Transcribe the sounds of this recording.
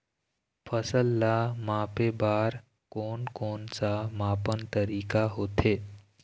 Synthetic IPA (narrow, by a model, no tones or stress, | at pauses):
fʰəsəlːamãːpebaːɾ | kɔːnkɔːnsamãːpənt̪əɾiːkaɦoːt̪ɦeː